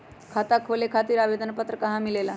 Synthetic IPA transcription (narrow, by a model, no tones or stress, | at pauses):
kʰat̪akʰolekʰat̪iːɾaʋed̪ənpət̪ɾəkɐɦãmilela